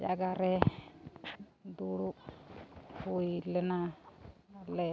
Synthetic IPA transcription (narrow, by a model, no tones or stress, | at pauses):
d͡ʒaɡaɾɛ | d̪uɽu | hujlɛna | lɛ